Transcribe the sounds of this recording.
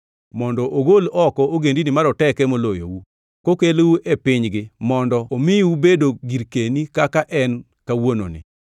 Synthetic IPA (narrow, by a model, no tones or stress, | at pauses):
mɔndɔʔoɡolɔkɔoɡendinɪmaɾɔtɛkɛmolojo̰wu | kokelwuʔepɪɲɡɪmɔndɔomɪwubedoɡiɾkenikakaʔɛn | kawono̰nɪ̰